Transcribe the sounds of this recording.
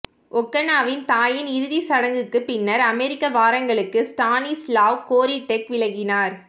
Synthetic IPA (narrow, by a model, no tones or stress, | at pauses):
ʔɔkːɐnaːʋɪnt̪aːjɪnɪɾɯðisɐɽɐŋɡɯkːɯpɪnːɐɾɐmɛɾɪkːɐʋaːɾɐŋɡɐɭɯkːɯsʈaːnislaːʋkoːɾiʈːɛkʋɪlɐɣɪnaːɾ